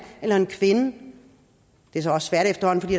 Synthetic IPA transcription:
elɐe̝nkʰʋe̝nə | d̥e̝s̬ɒɒ̽ssʋæɐ̰ɾ̥efd̥ɐhɒ̽n̩fdḭːd

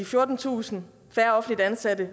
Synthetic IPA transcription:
ifjoɐd̥n̩t͡sʰṵːsn̩ | fæɐɒ̽fn̩lid̥ænsædə

